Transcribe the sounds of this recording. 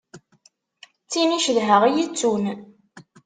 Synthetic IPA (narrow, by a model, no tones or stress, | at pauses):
t͡sːiniʃəðɦəʁijit͡sːun